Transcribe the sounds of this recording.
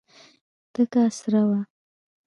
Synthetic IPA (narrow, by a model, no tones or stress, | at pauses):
t̪əkasɾawa